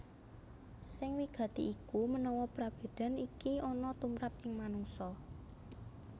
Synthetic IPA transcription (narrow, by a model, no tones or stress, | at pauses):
sɪŋwiɡ̥ä̤t̪iʔːkumənɔwɔpɾab̥e̤d̪̥a̤nikiɔnɔt̪umɾap̚ɪŋmanuŋsɔ